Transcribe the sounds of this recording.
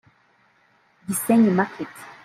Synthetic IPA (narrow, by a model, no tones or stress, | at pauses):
ɡisɛɲmakʰet